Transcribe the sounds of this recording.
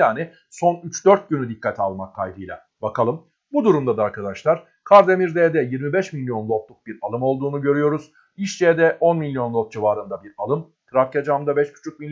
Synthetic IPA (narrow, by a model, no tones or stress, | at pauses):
jaːni | so̞nyt͡ʃd̪ø̞ɾt̪̚ɟynyd̪ikʰːat̪ʰalˠmakʰːajbɯjlʲˠa̰ | bakʰalˠɯm | bud̪uɾumd̪ad̪aaɾkʰad̪aʃlˠaɾ̥ | kʰaɾd̪e̞miɾd̪ɛːd̪ɛjiɾmibɛʃmilʲːjo̞nlˠo̞t̪lˠuk̚biɾalˠɯmo̞lˠd̪uːnuɟø̞ɾyjo̞ɾuz̥ | iʃd͡ʒɛd̪ɛʔo̞nmilʲːjo̞nlˠot̪̚d͡ʒivaːɾɯnd̪abiɾalˠɯm | kʰɯɾafcad͡ʒamd̪abɛʃcʰy̥t͡ʃʰyc̚milʲ